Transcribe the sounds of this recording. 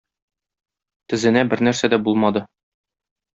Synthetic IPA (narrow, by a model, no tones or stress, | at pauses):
t̪ɘ̆zɘ̆næbɘɾnæɾsæd̪æbulˠmɑd̪ɤ